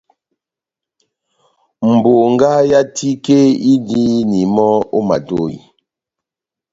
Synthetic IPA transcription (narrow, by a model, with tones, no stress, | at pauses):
m̩˨bo˨ŋ˦ɡa˦ja˦tʰi˦ke˦i˦di˦ni˨mɔ˦o˦ma̰˨do˦˨ḭ˨